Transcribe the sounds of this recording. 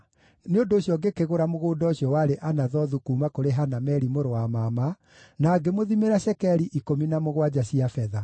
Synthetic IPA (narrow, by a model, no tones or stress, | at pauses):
neondoːɕjɔɡekeɣoɾamoɣoːdɔoɕjɔwaɾeʔanaðɔðukumakoɾeɦanamɛɾimoɾoamama | naːɡemoðimeɾaɕɛkɛɾiʔikominamoɣwad͡ʑaɕiafɛða